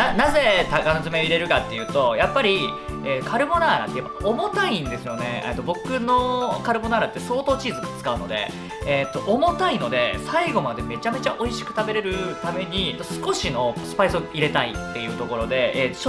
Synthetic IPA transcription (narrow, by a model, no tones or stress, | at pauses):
anaze̞t̪akanozɨme̞oiɾe̞ɾɯ̟kat̪ːe̞jɯ̟ːt̪o̞japːaɾʲieːt̪ːokʰaɾɯ̟mo̞naːɾa̰t̪ːejebpːaaomo̞t̪aĩnd̪e̞sɨjo̞ne̞̰ːt̪ːo̞bo̞kɯ̟no̞kaɾɯ̟bo̞naːɾat̪ːe̞so̞ːt̪oːt͡ɕiːzɨɡat͡sɨ̥kaɯ̟no̞̰d̪e̞̰ː | t̪ːo̞ʔomo̞t̪aino̞d̪e̞saiɡo̞mad̪e̞me̞t͡ɕame̞t͡ɕaʔo̞iɕi̥kɯ̟̥t̪abe̞ɾe̞ɾɯ̟t̪ame̞ɲ̟iet̪ːo̞sɨ̥ko̞ɕino̞sɨ̥paisoiɾe̞t̪aḭt̪ːe̞jɯ̟ːt̪o̞ko̞ɾo̞d̪e̞et̪ːo